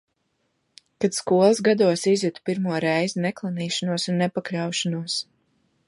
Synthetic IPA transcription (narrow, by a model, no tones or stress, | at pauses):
kat̪skuɔlˠzɡad̪uɔsizʲut̪u̥piɾmuɔɾɛjzinɛklˠaniːʃanuɔsunːɛpaklʲawʃanuɔs